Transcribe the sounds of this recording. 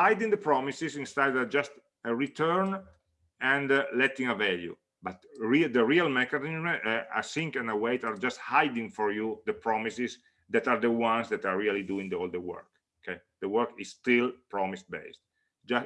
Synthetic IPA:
hajd̪ĩŋd̪əpɹɔmisizĩnst̪ed̪d͡ʒast̪ | əɹit̪ʰɜɹn | ɛ̃ndlɛt̪ĩŋəvɛljṵ | bat̪ɹid̪əɹialmɛkanizma̰jθĩŋkɛ̃nəweɪt̪aɾd͡ʒast̪hajd̪ĩŋfɔɹjud̪əpɹɔmisiz | d̪ɛt̪aɾd̪əwãnsd̪ɛt̪aɹɹialid̪uĩŋd̪ɔld̪əwɜ̰ɹk | okʰeɪd̪̥əwɜɹkizst̪ilpɹɔmis̚bḛɪst̪ | d͡ʒa

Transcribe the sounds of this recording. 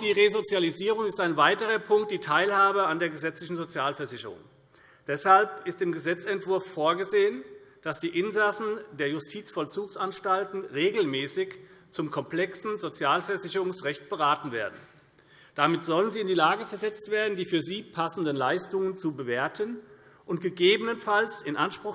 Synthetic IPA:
d̥iːʁezot͡sjaliziːʁʊŋɪstaɪnvaɪtəʁ̞ɐpʰʊŋkt̚d̥iːtʰaɪlhaːbəandeːɐɡəzɛt͡slɪçn̩zot͡sjaːlfɛɐzɪçəʁʊ̰ŋ | d̥ɛshalpʔɪstd̥ɪːmɡəzɛt͡sɛntv̥ʊɐfːoːɐɡəzeːənd̥asd̥iːʔɪnzasn̩deːɐjʊstʰiːt͡sfɔlt͡suːksʔanʃtaltn̩ʁeːɡl̩mɛːsɪç | t͡sʊmkʰɔmpl̥ɛksn̩zot͡sjaːlfɛɐzɪçəʁʊŋsʁɛçt̚b̥əʁaːtn̩veːɐdn̩ | d̥amɪtz̥ɔlənziːɪndiːlaːɡəfɛɐzɛt͡stv̥eːɐdn̩diːfyːɐziːpʰasn̩dənlaɪstʊŋənt͡subəveːɐtʰən | ʔʊntɡ̥əɡeːbənənfalsɪnʔanʃpʁ̥ʊx

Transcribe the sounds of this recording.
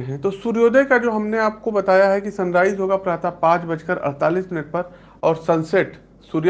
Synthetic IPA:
ɦɛ̃t̪oːsuɾjoːd̪ʱekad͡ʒoːɦɐmneaːp̚kobɐt̪aːjaɦɛkisɐ̃nɾaːɪzɦoːɡapɾaːt̪apãːt͡ʃbɐd͡ʒkəɾɐ̰ɾt̪aːliːsmɪnəʈ̚pɐɾ | ɔːɾsɐ̃nseʈ | suɾj

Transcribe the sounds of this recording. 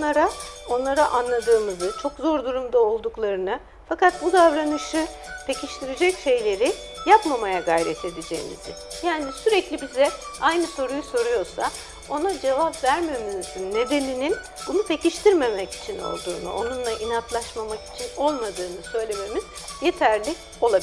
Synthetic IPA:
aɾao̞nlˠaɾaʔanlˠad̪ɯːmɯzɯt͡ʃʰo̞kzo̞ɾd̪uɾumd̪ao̞lˠd̪uklˠaɾɯnɯ | fakat̪̚bud̪avɾanɯʃɯ | t̪ʰe̞cʰiʃt̪ʰiɾid͡ʒɛcʃe̞jlʲe̞ɾɪ | japmamajaɡajɾet̪ʰe̞b̪id͡ʒḛjḭmḭzɪ̰ | jaːnisyɾɛclʲibizɛajnɯso̞ɾujuso̞ɾujo̞ɾsa | o̞nad͡ʒe̞vapvæɾmemizinːe̞d̪e̞ninin | bunut̪ʰeciʃt̪ʰiɾme̞mɛci̥t͡ʃʰino̞̰lˠd̪uːnṵʔo̞nunlˠaʔinat̪lˠaʃmamaki̥t͡ʃʰino̞lˠmad̪ɯːnɯsø̞jlʲe̞me̞miz̥ | je̞t̪ʰæɾlʲi | o̞lˠabi

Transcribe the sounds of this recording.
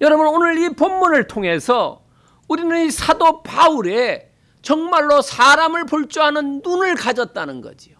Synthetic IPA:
jʌɾʌbunonɯɾipomːunɯɭtʰoŋɦe̞sʰʌ | uɾinɯnisʰadopauɾe | t͡ɕʌŋmaɭːosʰaɾamɯɭpuɭt͡ɕ͈uɦanɯnːunɯɭkad͡ʑʌt̚t͈anɯnɡʌ̰d͡ʑijo

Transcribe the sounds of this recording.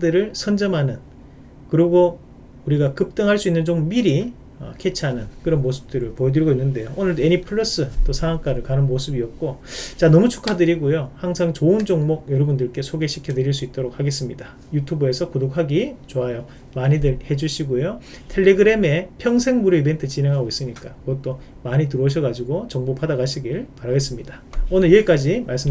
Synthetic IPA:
dɯɾɯɭsʰʌnd͡ʑʌmɦanɯn | kɯɾiɡo | uɾiɡakɯp̚t͈ɯŋɦaɭs͈uinːɯnt͡ɕommiɾi | ʌ̰kʰe̞t͡ɕʰanɯnkɯɾʌnmosʰɯ̥p̚t͈ɯɾɯɭpojʌdɯɾiɡoinːɯnde̞joonɯɭdeɲipʰɯɭːʌs͈ɯt͈osʰaŋaŋk͈aɾɯɭkanɯnmosʰɯbiʌt̚k͈ot͡ɕanʌmut͡ɕʰu̥kʰadɯɾiɡojohaŋsʰaŋt͡ɕoɯnd͡ʑoŋmok̚jʌɾʌbundɯɭk͈e̞sʰoɡe̞ɕʰi̥kʰjʌdɯɾiɭs͈uit̚t͈oɾok̚haɡe̞s͈ɯmɲida | jutʰubuesʰʌkodok̚haɡit͡ɕoajo | maɲidɯɾhe̞d͡ʑuɕʰiɡojotʰe̞ɭːe̞ɡɯɾe̞me̞pʰjʌŋsʰeŋmuɾɯibe̞ntʰɯt͡ɕine̞ŋɦaɡois͈ɯmɲik͈akɯɡʌt͈̚o | maɲit̬ɯɾʌɕ̬ʰʌɡad͡ʑiɡot͡ɕʌŋbopʰadaɡaɕʰiɡiɯɭpaɾaɡe̞s͈ɯmɲida | onɯɭieɭk͈ad͡ʑimaɭs͈ɯ

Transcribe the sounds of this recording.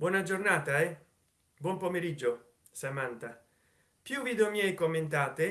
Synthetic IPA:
bwɔːnad͡ʒornaːt̪aɛ | bwɔmpomeɾid͡ʒːo | samant̪a | pjuviːd̪omjɛjkomːent̪aːt̪e

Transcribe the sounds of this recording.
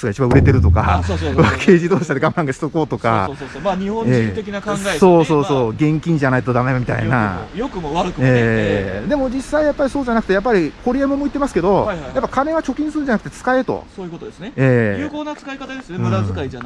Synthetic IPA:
sɨɡait͡ɕibãɯ̟ɾe̞t̪e̞ɾɯ̟t̪o̞ka̰βakʰe̞ːʑid̪o̞ːɕi̥t̪ad̪eɡãmbãŋɡaɕi̥t̪oko̞ːt̪o̞ka̰omaɲihõeːt̪ekʲinakãŋɡaso̞ːso̞ːso̞ːɡẽ̞ŋkʲĩɲ̟d͡ʑanait̪od̪amemamʲit̪a̰ḭna̰jokɯmoaɾɯkɯeːd̪e̞mo̞d͡ʑisːaijapːaɾʲiso̞ːʑanakɯ̟̥t̪ejap̬ːaɾʲiko̞ɾʲiemomoit̪ːemasɨ̥ke̞d̪o̞japːakanẽ̞βat͡ɕo̞kʲĩsɨɾɯ̃nɲd͡ʑanakɯ̟t̪et͡sɨ̥kae̞t̪o̞̰soːjɯkot̪od̪esneeːkoːnat͡sɨ̥kaekat̪ad̪esoɯ̃aia

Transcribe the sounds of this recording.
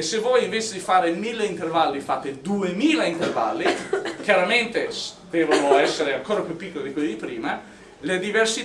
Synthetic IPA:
sevɔjiɱveːt͡ʃed̪ifaːɾemilːeint̪ervalːifat̪ːed̪uemiːlaint̪erva̰lːikjaɾament̪est̪eːvonoɛsːeɾeaŋkoːɾapjupːikːoled̪ikwelːid̪ipɾiːma | led̪iversi

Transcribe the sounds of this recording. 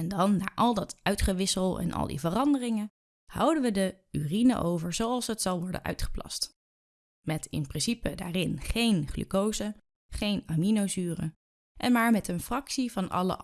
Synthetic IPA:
ɛndɑnːa̰ːɹʔɑlˠdɑtœɥtχəʋɪsəlˠɛ̰nʔɑ̰lˠdḭvərɑndərɪŋə | hʌ̰wdənʋədə | yrinə̰ʔowvəɹzowɑlˠsɦətsɑlˠʋɔɹdə̰nʔœ̰ɥtχə̥plɑ̰st | mɛtɪ̰nprɪnsipəda̰ːrɪnχejnχly̰kowzə | χejnaminozyːrə̰ | ʔɛnmaːɹmɛtənfrɑksivɑnɑ̰lə̰

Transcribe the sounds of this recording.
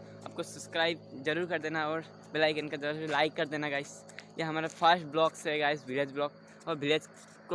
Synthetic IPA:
a̰ːp̚kosɐbskɾaːɪb̚zɐɾuːɾkɐɾd̪eːnaɔːɾ | bɪlaːikɪnkad̪ɐɾslaːɪkːɐɾd̪eːnaɡaːɪs | jeɦɐmaːɾapʰəɾsʈblɔːksɦɛɡaːɪsbʱɪled͡ʒblɔːk̚ | ɔːɾbʱɪled͡ʒ | k

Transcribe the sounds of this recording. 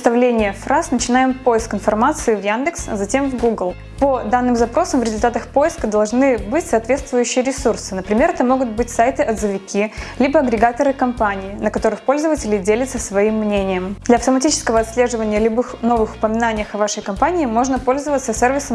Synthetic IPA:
st̪ɐvlʲenʲɪjəfrasnət͡ɕɪnajɪmpo̞jɪskɪnfɐrmat̪sɨɪvjand̪ɨksɐzɐtʲe̞mvɡuɡlˠ | pod̪anːɨmzɐpɾo̞səmvɾʲɪzʊlʲt̪at̪əxpo̞jɪskəd̪ɐlˠʐnɨbɨtʲsɐːt̪vʲe̞t̪st̪vʊjʉɕːɪjəɾʲɪsursɨnəpɾʲɪmʲe̞ɾɛt̪əmo̞ɡʊt̪̚bɨtʲsajt̪ɨʔɐd̪zəvʲɪkʲilʲibəɐɡɾʲɪɡat̪əɾɨkɐmpanʲɪːnəkɐt̪o̞ɾɨxpo̞lʲzəvətʲɪlʲɪdʲelʲɪt̪səsvɐimːnʲenʲɪjəmd̪lʲɐɐft̪əmɐtʲit͡ɕɪ̥skəvəɐt̪sʲlʲe̞ʐɨvənʲɪjəlʲʊbɨxno̞vɨxʊ̥pəmʲɪnanʲɪjəxɐvaʂəjkɐmpanʲɪːmo̞ʐnəpo̞lʲzəvət̪səsʲervʲɪsə

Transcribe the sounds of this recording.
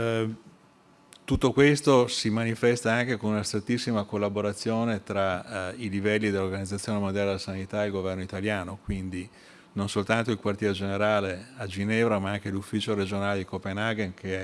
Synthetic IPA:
t̪ut̪ːokwest̪osimanifɛst̪aaŋk̟ekonunast̪ɾet̪ːisːimakolːaboɾat̪sːjoːnet̪ɾailivɛlːid̪elːoɾɡanid̪at̪sːjoːnemod̪jaled̪elasanit̪aelɡovɛrnoit̪aljaːnokwind̪i | nonsolt̪ant̪oilkwart̪jɛːɾed͡ʒeneɾaːlead͡ʒinɛvɾamaaŋk̟elufːit͡ʃoɾed͡ʒonaːled̪ikopenaɡenkʰeɛ

